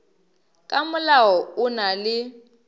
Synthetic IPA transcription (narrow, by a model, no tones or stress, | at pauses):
kʼamʊlaɔʊnalɪ